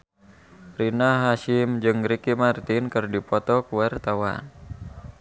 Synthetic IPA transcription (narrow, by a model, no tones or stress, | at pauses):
rinaɦaʃimd͡ʒɨŋɾikimart̪inkɨrdipɔt̪ɔkuwart̪awa̰n